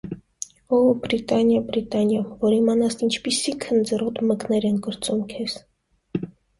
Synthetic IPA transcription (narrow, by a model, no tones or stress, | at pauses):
ɔubɾit̪ɑnjɑbɾit̪ɑnjɑvɔɾimɑnɑsint͡ʃʰpisikʰənd͡zərɔt̪məknɛɾɛnɡɔɾt͡sumkʰɛs